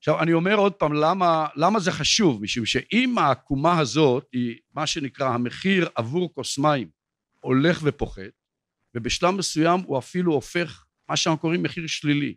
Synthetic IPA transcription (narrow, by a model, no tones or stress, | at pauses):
aχʃavanio̞me̞ʁo̞d̪̚paːmlamalamaze̞χaʃuvmiʃumʃeʔimakumaɦazo̞t̪himaʃe̞nikʁahameχiʁavuʁkosmaim | o̞le̞χve̞po̞χe̞t̪̚ | vebeʃlavːesujamuafiluofe̞χ | maʃenaχuko̞ʁimːeχiʁʃlilḭ